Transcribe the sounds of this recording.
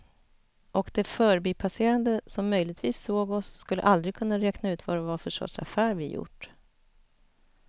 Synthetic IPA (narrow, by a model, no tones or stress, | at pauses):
ʔɔkd̪ɛfœːɾbiːpʰaseːɾand̪əsɔmːœjlɪɡt̪viːsːoːɡɔsːkɵlːə̰ʔald̪ɾɪɡ̚kʰɵnːaɾɛːknaʉ̟ːt̪vad̪ɛvafœʂʈɔ̰sa̰fæːɾvɪjʊ̰ʈː